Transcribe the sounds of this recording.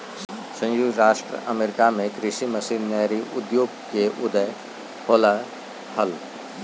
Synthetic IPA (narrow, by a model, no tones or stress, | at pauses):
sə̃juːɡɾaːʃʈɾə̰ʔəmeːɾɪkamẽkɾɪʃiməsiːnːɛːɾiʔʊd̪joːɡ̚keʔʊd̪əj | holə | həl